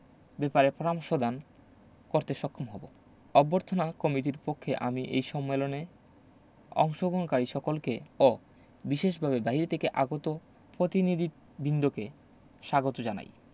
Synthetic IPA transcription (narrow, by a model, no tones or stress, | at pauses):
bɛpaɾepɾɔɾamoʃod̪ʱan | koɾt̪eʃɔkʰːomɦɔbo | ɔboɾt̪ʰonakɔmiʈ̬iɾpokʰːeʔa̰miʔḛjʃɔmːelone | ɔ̰ŋʃoɡʱonkaɾiʃɔkolkeo | biʃeʃ̬bʱabebaɦiɾt̪ʰekeʔaɡot̪o | pɾot̪inid̪ʱi | bʱind̪oke | ʃaɡot̪od͡ʑana̰j